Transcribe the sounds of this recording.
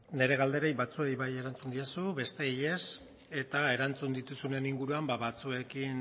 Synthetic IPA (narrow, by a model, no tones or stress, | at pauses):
ne̞ɾe̞ɣald̪e̞ɾejβat͡sue̞jβaje̞ɾant͡sund̪iasuβe̞st̪e̞je̞s | e̞t̪ae̞ɾant͡sund̪it̪usune̞niŋɡuɾuambaβat͡sue̞kin